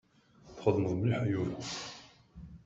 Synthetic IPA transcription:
θχəðməðˤmliħajuɾ

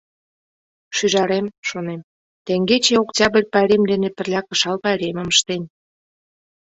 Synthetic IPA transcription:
ʃyʒɑɾemʃonem | t̪eŋɡet͡ɕeoktʲɑbə̆rʲpɑɾʲemd̪enepə̆rlʲɑkə̆ʃɑlpɑeɾʲeməməʃt̪en

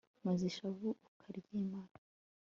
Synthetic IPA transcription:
maziʃaβuukʰaɾɟimaːno

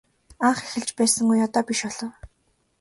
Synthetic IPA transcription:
aɴχexɘ̆ɮt͡ɕpæːsə̆ŋɡujɔt̪ɔːpiʃɔɮɞ̆w

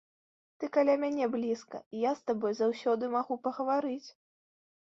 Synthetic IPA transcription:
t̪ɨkalʲamʲanʲɛblʲiskɐ̰ijast̪abɔjzawsʲɔd̪ɨmaɣupɐɣɐvaɾɨt͡sʲ

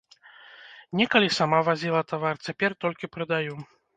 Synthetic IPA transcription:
nʲɛkɐlʲisamavazʲilˠɐt̪avart͡sʲapʲɛrt̪ɔlʲkʲipɾɨd̪aju

